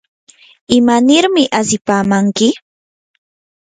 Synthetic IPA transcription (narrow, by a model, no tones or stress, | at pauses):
ɪmanɪɾmɪʔasɪpaːmaŋkɪ